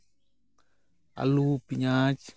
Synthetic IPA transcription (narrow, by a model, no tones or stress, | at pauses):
a̰luːpiɲaːt͡ʃ